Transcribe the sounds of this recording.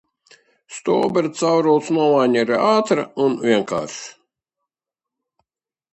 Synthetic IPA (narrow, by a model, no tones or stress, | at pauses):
st̪ɔːbɛɾt̪sawɾɔwt̪snɔɔvaːnʲɛɾaaːt̪ɾa̰unvʲiɛŋka̰ːɾʃ